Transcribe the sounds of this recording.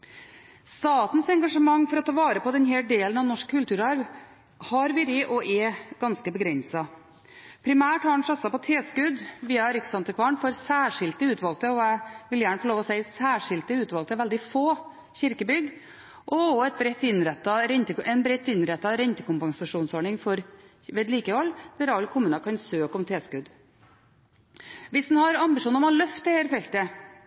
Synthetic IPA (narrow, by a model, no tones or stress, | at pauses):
st̪ɑːt̪n̩sɛŋɡɑʂəmɑŋːfɔɾɔt̪ʰɑːʋɑːɾəpɔd̪ɛnɦɛːɖ̪eːlənɑʋnɔʂkʰʉlt̪ʰʉːɾɑɾʋ | hɑɾʋɪɾɪʔɔʔɛɡ̥ɑnskəbəɡɾɛnsɑ | pʰɾɪmæːʈhɑːɳ̩sɑt̪sɑpɔt̪ʰeːskʉd̪ʋiːɑɛɾɪksɑnt̪əkʰʋɑɳfɔɾsæːʂɪlt̪əʉːt̪ʋɑlk̚t̪əɔæʋɪljæːɳəfɔɭoːʋɔsæɪsæːʂɪlt̪əʉːt̪ʋɑlkt̪əʋɛld̪ɪfoː | çɪɾkəbʏɡ | ʔɔɔɛt̪̚bɾɛt̪ːɪnɾɛt̪ːɑɾɛnt̪əɛnbɾɛt̪ːɪnɾɛt̪ːɑɾɛnt̪əkʰʊmpɑŋsɑʂuːnsoːɳɪŋfɔɾ | ʋeːd̪liːkəhɔlːd̪̥æɾɑlːkʰʊmʉːnɑkʰɑnsøːkɔmt̪ʰeːskʉd̪ | ʋɪsd̪n̩hɑɾɑmbɪʂuːnəɾmɑlœft̪əheːɾfɛlt̪ə